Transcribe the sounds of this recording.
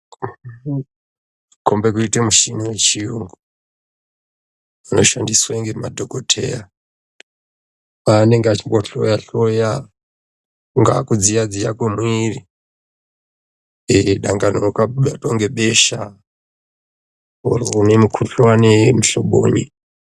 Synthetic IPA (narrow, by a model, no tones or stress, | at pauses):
ko̞mbe̞kuitemuʃiniwet͡ʃiuŋɡu | ano̞ʃandiswaiŋɡemadʱokotʰe̞̰ja | ane̞ŋɡeat͡ʃimboɬo̰jaɬoja | ŋɡakud͡zijad͡zija̰kwemwiri | eɗaŋɡanokaɗatoŋɡe̞ɓeʃa | urnemukʰuɬowanemuɬoɓo̰ːɲi